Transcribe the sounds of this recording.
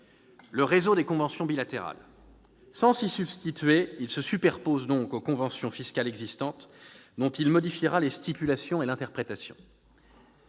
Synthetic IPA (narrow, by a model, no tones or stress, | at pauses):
ləʁezod̪ekɔ̃vɑ̃sjɔ̃bilat̪eʁa̰l | sɑ̃sisybst̪it̪ɥeilsəsypɛʁpozd̪ɔ̃kokɔ̃vɑ̃sjɔ̃fiskʲalɛɡzist̪ɑ̃t̪d̪ɔ̃t̪ilmɔd̪ifiʁalest̪ipylasjɔ̃elɛ̃t̪ɛʁpχet̪asjɔ̰̃